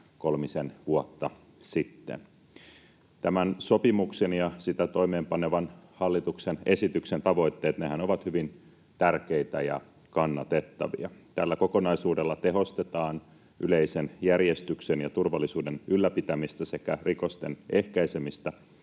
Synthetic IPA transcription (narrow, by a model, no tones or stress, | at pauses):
ko̞lmisenʋuot̪ːɑ | sit̪ːḛn | t̪æmænsopimuksenjɑsit̪æt̪o̞ime̞ːmpɑneʋɑnhɑlːit̪uksene̞sit̪yksent̪ɑʋo̞it̪ːe̞ːt̪ne̞hænoʋɑt̪hyʋin | t̪ærkeit̪æjɑ̰ | kɑnːɑt̪et̪ːɑ̰ʋḭɑt̪ælːæko̞ko̞nɑisuːdelːɑt̪eɦo̞st̪et̪ɑːn | ʔyleisenjærjest̪yksenjɑt̪urʋɑlːisuːdenylːæpit̪æmist̪æsekærikost̪ene̞hkæisemist̪æ